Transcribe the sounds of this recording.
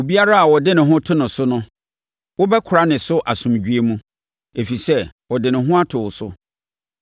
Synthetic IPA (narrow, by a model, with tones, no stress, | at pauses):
o˨bi˦a˦ɾa˦a˨wɔ˨dɪ˦nɪ̃˨ɦʊ̃˦tʰʊ˦nʊ̃˨sʊ˦nʊ̃˦ | wʊ˦bɛ˦kʰʊ˨ɾa˦nɪ̃˨sʊ˦ʔa˨sũ˨md͡ʑᶣi˦e˦mũ˦ | e˨fi˨sɛ˦wɔ˨dɪ˨nɪ̃˨ɦʊ̃˦a˦tʰʊː˨sʊ˦